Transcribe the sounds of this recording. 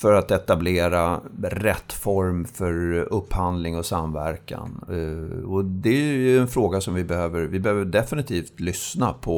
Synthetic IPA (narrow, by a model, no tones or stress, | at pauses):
fœɾat̪ɛt̪ableːɾaɾɛt̪ːfɔɾmfœɾɵpːhand̪lɪŋɔsamvæ̰ɾka̰n | ɔd̪ɛjɵɛnfɾoːɡasɔmvɪbɛhøːvəɾvɪbɛhøːvəɖɛfɪnɪt̪ʰiːft̪lʏsnapʰɔ